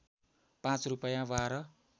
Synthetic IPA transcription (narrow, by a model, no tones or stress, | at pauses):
pãt͡srupʌjãwaɾʌ